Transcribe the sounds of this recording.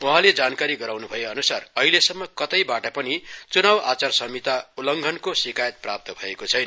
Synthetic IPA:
uɦãled͡zankaɾiɡʌɾawnubʱʌjoʌnusarʌɦilesʌmːʌkʌt̪ʌjbaʈʌpʌnit͡sunawat͡sarsʌmit̪aulʌŋɡʱʌnkosikajʌt̪̚prap̚t̪ʌbʱʌekot͡sʰʌjna

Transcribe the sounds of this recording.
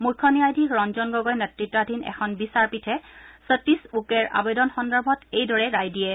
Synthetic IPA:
mukʰːɔniajdʱikɹɔnzɔnɡɔɡɔjnɛtɹitːadʱinɛ̰kʰɔnbisaɹpitʰɛsətisukɛɹʔa̰bɛdɔnxɔndɔɹbʱɔtejdɔɹɛɹajdijɛ

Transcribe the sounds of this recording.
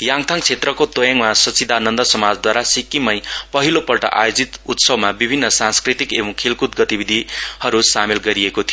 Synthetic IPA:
jaŋt̪ʰaŋt͡sʰet̪rʌkot̪ojaŋmasʌt͡sid̪ʱanʌnd̪ʌsʌmad͡zd̪waɾasikːimʌjpʌɦilopʌlʈʌ̰ʔa̰jod͡zit̪ut̪sʌbmabibʱinːʌsãnskɾit̪ikebʌ̃ŋkʰelkut̪ɡʌt̪ibid̪ʱihʌɾusamelɡʌɾiekot̪ʰijo

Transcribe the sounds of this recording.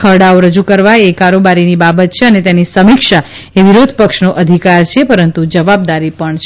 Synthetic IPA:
əɽaoɾəd͡ʒukəɾʋaekaɾobaɾinibabət̪̚t͡ʃʰeənet̪enisəmikʃa | eʋiɾod̪ʱəpəkʃnoʔəd̪ʱikaɾt͡ʃʰepəɾənt̪ud͡ʒəʋab̚d̪aɾipəɳt͡ʃʰ

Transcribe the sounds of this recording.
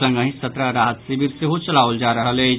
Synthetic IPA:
ə̃ŋɡə̃ɦĩsɐt̪ɾəɾaːɦət̪sebɪɾseɦot͡ʃɐlaːʊld͡ʒaːɾɐɦəle

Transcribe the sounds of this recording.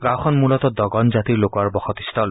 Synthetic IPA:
ɡawxʰɔnmulɔt̪ɔd̪ɔɡɔnzat̪iɹlokwaɹbɔxɔt̪ist̪ʰɔl

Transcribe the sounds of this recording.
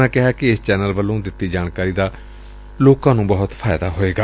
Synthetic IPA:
aːkɪɦaːkɪɪst͡ʃɛːnəlʋəlːõːd̪ɪt̪ːiːd͡ʒaːnkaːɾiːd̪aː | loːkãːnũːbəɦʊt̪pʰaːjd̪aːɦoːeːɡaː

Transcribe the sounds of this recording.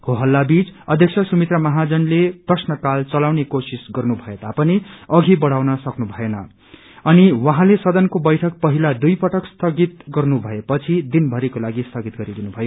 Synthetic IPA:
hoɦʌlːabit͡sʌd̪ʱjʌk̚sʰʌsumit̪rʌmʌɦad͡zʌnleprʌsnʌkalt͡sʌlawnekosisɡʌrnubʱʌet̪apʌniʌɡʱibʌɽ̤awnʌsʌknubʱʌjenʌ | ʌniwaɦãlesʌd̪ʌnkobʌjʈʰʌk̚pʌɦilad̪ujpʌʈʌkst̪ʌɡit̪̚ɡʌrnubʱʌepʌt͡sʰid̪inbʱʌɾikolaɡist̪ʌɡit̪̚ɡʌɾid̪inubʱʌjo

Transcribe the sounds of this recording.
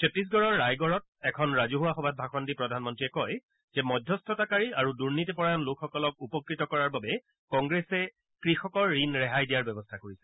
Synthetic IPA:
ketis̬ɡɔɹɔɹːajɡɔɹɔt̚ | ɛkʰɔnɹazuɦuaxɔbʱat̚bʱaxɔndipɹɔdʱanmɔntɹiɛkɔj | z̥ɛmɔdʱjɔstʰɔtakaɹiaɹuduɹnitɛpɔɹajɔnlokʰxɔkɔlɔk̚upɔkɹitɔkɔɹaɹbabɛ | kɔŋɡɹɛsɛ | kɹixɔkɔɹːinɹɛɦajdijaɹbɛbɔstʰakoɹisɛ̥

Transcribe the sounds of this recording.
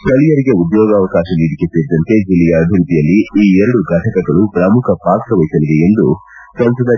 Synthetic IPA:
ʈɐlijɐɾiɡe̞ud̪jɔːɡɐːʋɐkaːʃɐniːɽikeseːɾid̪ɐnt̪e̞d͡ʒilːɛjɐːbʱiɾut̪ijɐlːiiːɛɾɐɽuɡʱaːʈʰɐkɐɡɐɭupɾɐmukʰɐpaːkɾɐʋɐjisɐlid̪e̞end̪u | sɐnsɐd̪ɐ

